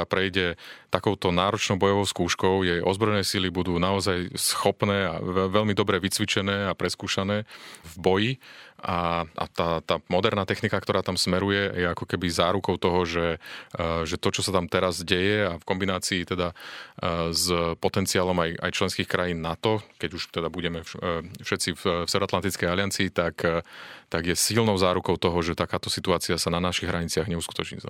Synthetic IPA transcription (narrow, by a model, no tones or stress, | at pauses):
apɾɛjɟɛt̪akɔʊt̪ɔnaːɾɔt͡ʃnɔʊbɔjɔʋɔʊskuːʃkɔʊjɛjʔɔ̰zbɾɔjɛnɛːsilibud̪uːnaɔzajsxɔpnɛːa̰ɛʋɛʎmid̪ɔbɾɛʋit͡sʋit͡ʃɛnɛːapɾɛskuːʃanɛːvbɔjiaʔa̰t̪aːt̪aːmɔd̪ɛɾnaːt̪ɛxnikakt̪ɔɾaːt̪amsmɛɾujɛjɛakɔkɛbizaːɾukɔʊt̪ɔɦɔʒɛ | ʒɛt̪ɔt͡ʃɔsat̪amt̪ɛɾazɟɛjɛafkɔmbinaːt͡siːt̪ɛd̪a | zpɔt̪ɛnt͡siaːlɔmaja̰jt͡ʃlɛnskiːxkɾajiːnːat̪ɔkɛɟuʃt̪ɛd̪abuɟɛmɛfʃɛt̪t͡siffsɛvɛɾɔat̪lant̪it͡skɛjalɪjant͡siːt̪akt̪aɡjɛsilnɔʊzaːɾukɔʊt̪ɔɦɔʒɛt̪akaːt̪ɔsit̪uaːt͡siasananaʃiɣɦɾaɲit͡sɪaɣɲɛusku̥t̪ɔt͡ʃɲḭza̰